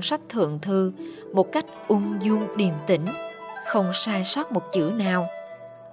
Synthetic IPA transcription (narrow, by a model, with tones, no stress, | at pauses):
nswa˦˥jk̟̚t̪ʰɨ̰˧˨əŋt̪ʰɨ˧ | mo˨˩t̚ka˦˥jk̟̚ʔʊ˧ŋzu˧ŋɗi˨˩əmt̪ï˧˦ŋ̟xə˧wŋ͡msaː˧jsaː˦˥t̚mo˨˩t̚t͡ɕɨ̰˧˥ənaː˨˩w